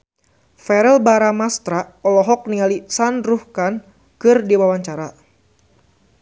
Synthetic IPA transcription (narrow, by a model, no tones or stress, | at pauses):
fɛɾɛlbaɾamast̪ɾaɔlɔɦɔk̚niŋalisanɾuhkan | kɨrdiwawaɲt͡ʃaɾa